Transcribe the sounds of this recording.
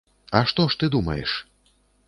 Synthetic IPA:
ɐʂt̪ɔʂt̪ɨd̪umɐ̰jɛ̰ʂ

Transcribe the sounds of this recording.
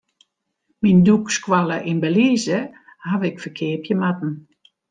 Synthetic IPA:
mindukskwaləʔinbəliːzə | haʋɪkfəkʰɪːəpʰjəmat̚n̩

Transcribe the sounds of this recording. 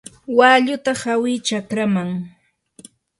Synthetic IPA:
waːʎʊt̪ahawɪt͡ʃakɾamaŋ

